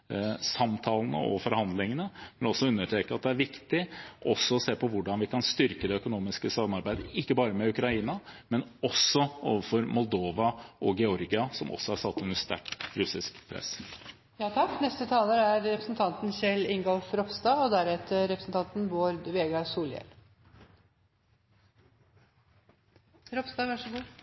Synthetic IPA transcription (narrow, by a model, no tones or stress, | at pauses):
sɑmt̪ʰɑːlənə̰ɔ̰fɔɾhɑnd̪lɪŋənəmɛnɔsɔʉnːəʈʰeːkəɑt̪̚d̪ɛæɾʋɪkt̪ɪʔɔsːɔɔseːpʰɔʋʊɖɑnʋɪkʰɑnst̪ʏɾkəd̪ɛœkʊnuːmɪskəsɑmːɑɾbæɪd̪əɪkːəbɑːɾəmɛʉkɾɑiːnɑmɛnɔsːɔo̰ːʋəfɔɾmɔlˠd̪oːʋɑʔɔɡɛɔɾɡɪɑsɔmɔ̰sːɔhɑsɑt̪ːɛnɛnst̪æ̰kɾʉsɪskpʰɾɛ̰s | jɑːt̪ʰɑkːnɛst̪ət̪ʰɑːləɾæɾɾɛpɾəsnt̪ʰɑnt̪n̩ɕɛlɪŋɡɔlfɾɔpst̪ɑɔd̪æɾɛt̪əɾɛpɾəsn̩t̪ɑnt̪n̩ʋoːɾʋeːɡɑsuːljɛ̰l | ɾɔpst̪ɑːʋæʂəɡuː